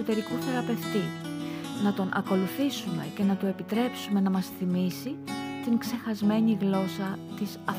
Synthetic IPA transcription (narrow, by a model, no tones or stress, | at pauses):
ot̪eɾikuθe̞ɾɐpe̞ft̪i | nɐt̪o̞nʔɐ̰ko̞luθisume̞̰ce̞nɐt̪ue̞pit̪ɾe̞psume̞nɐmɐsθimisit̪iŋkse̞xɐzme̞ɲiɣlo̞sɐt̪isɐf